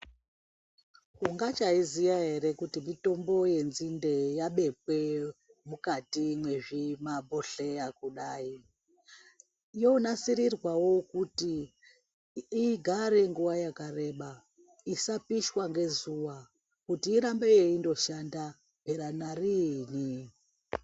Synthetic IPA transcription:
kuŋɡat͡ʃaizijaɦe̞ɾe̞kutimito̞mbo̞je̞nzinde̞jaɓe̞pwe̞ | mukatimwe̞ʐimabo̞ɬe̞akuɗaːi | jonasiɾirwawo̞kuti | ɡʱaɾe̞ŋɡuʋajakare̞ɓa | isapiʃwaŋɡe̞zuwa | kutiːɾambejeindo̞ʃanda | b̥ʱeɾanarini

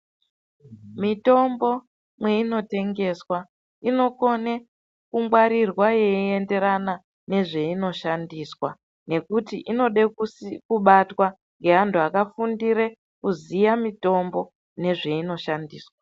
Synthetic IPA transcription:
mito̞mbo̞ | mwe̞ino̞te̞ŋɡe̞swa | ino̞ko̞ne | kumɡwaɾirwajeiende̞ɾana | ne̞ʐe̞ino̞ʃandiːswa | ne̞kutiʔino̞ɗekkuɓatwa | ŋɡe̞ɦantʰuakafundiɾe̞ | kuzijamito̞mbo̞ | ne̞ʐe̞ino̞ʃandiːswa

